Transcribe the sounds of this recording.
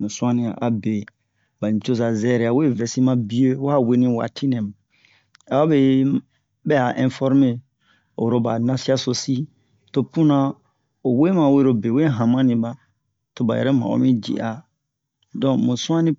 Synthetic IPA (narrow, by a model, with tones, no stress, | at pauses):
mũ˨sũ˦ã˦nĩ˨a̰˨ʔa˨be˨ | ba˨ɲĩ˨t͡ʃo˦za˨zɛ˦ɾɛ˨a˨we˦vɛ˨si˦mã˦bi˦e˦wa˦˨we˦nĩ˦wa̰˨tʰi˦nɛ̃˨mã˨ | a˨a˦be˨ | bɛ˦a˨ʔɛ̃˦˨fɔ˦ɾme˦ | o˨ɾo˨ba˨nã˦si˦a˦so˨si˦ | to˦pũ˦nã˦ | o˨we˦mã˨we˦ɾo˨be˨we˦ɦã˨mã˦nĩ˨ba˦ | to˨ba̰˨jɛ̰˨ɾɛ˦mã̰˨o̰˨˦mĩ˦d͡ʒḭ˨ʔa˨ | dɔ̃˨mũ˨sũ˦ã˦nĩ˦